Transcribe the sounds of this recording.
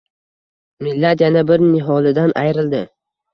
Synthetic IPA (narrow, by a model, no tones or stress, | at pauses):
mɪlːat̪janabɪɾnɪɦɒlɪd̪anʔajɾɪld̪ɪ